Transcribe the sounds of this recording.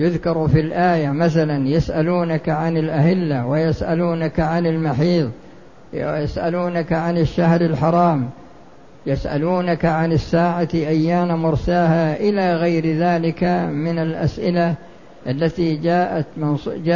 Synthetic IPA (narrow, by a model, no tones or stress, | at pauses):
jʊðkɑɾˤfilʔaːjamaθalanjasʔaluːnakaʕanɪlʔahɪlːawɪjasʔaluːnakʕanɪlmaħiːðˤ | jasʔaluːnakaʕanɪʃːahɾalħɑɾˤɑːm | jasʔa̰luːnakaʕanɪsːaːʕat̪iʔajːaːnamʊɾˤsaːhaʔɪlaːɣajɾðaːlɪkamɪnalʔa̰sʔɪla | ʔalːat̪id͡ʒaːʔat̪mɪnsd͡ʒa